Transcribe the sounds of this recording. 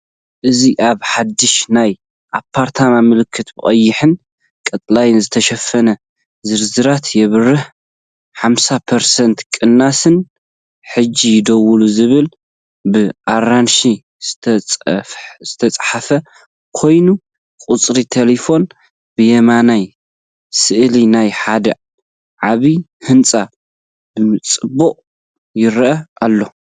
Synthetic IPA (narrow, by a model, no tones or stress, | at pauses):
ʔɨziʔaβħad̪ːɨʃnaj | ʔapʰːaɾt̪ʰamamɨlɨkʰːɨt̪bɨχʼɐjːɪħɨn | kʼɐt̪ʼlajnzɨt̪ʰɐʃɐfːɐnɐ | zɨɾzɨɾat̪ʰjɛβɨrɨħ | ħamsapʰɐɾsɐnt̪kʼɨnːasɨn | ħɨd͡ʒːijd̪ɐwuluzɨβɨl | bɨʔaɾanʃi̥ | tʰɐ | z̥ɨt̪ʰɐt͡sʼħafɐ | kʰo̞jnu | kʼut͡sʼɾit̪ʰelefo̞n | bɨjɛmanaj | sɨʔlinajħad̪ɐ | ʕaβihɨnt͡sʼa | bɨmɨt͡sʼɨbuqʼ | jɪɾʔɐʔalːo